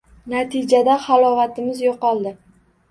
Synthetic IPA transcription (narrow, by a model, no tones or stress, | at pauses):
nat̪ʰɪd͡ʒad̪aχalˠɒvat̪ʰɪmɪzjoqɒlˠd̪ɪ